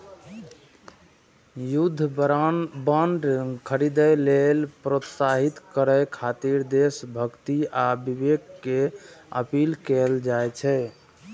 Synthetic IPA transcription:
jud̪ʱː | bəɳɖkʰəɾid̪əjlelpɾot̪saɦit̪kəɾəjkʰat̪iɾd̪esbʱəkt̪iabibeɡkeə̰pilkɛld͡ʒajt͡ʃʰɛ

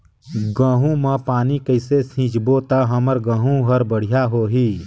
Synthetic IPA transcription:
ɡãːɦũmãpaːnikəɪsesĩːt͡ʃbot̪aɦəməɾɡə̃ːɦũɦəɾbəɽ̤ijaɦoːɦiː

